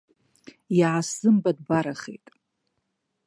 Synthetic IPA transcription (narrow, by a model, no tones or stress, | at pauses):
jaʕasɨmbadbaɾaχḛjtʼ